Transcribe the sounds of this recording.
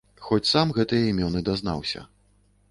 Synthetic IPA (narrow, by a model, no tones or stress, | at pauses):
xɔt͡sʲsamɣɛt̪ɨjɐimʲɔnɨd̪azn̪a̰wsʲɐ̰